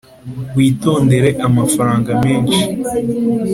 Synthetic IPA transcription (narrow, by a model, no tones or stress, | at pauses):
ɡwiːto̞ːnde̞ɾe̞ʔamafaɾaːŋɡameːnʃi̥